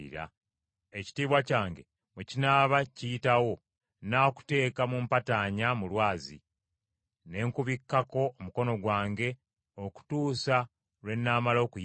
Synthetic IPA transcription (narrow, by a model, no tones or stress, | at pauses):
ḭɾa̰ | eci̥tiːβwacaːŋɡe̞̰ | mucinaːβacijitawo̞ | naːku̥te̞ːkamumpataɲamulwaːzḭ | ne̞ːŋkuβikːako̞ːmuko̞no̞ɡwaːŋɡe̞ | oku̥tuːsa | lwe̞nːaːmalo̞ːkuj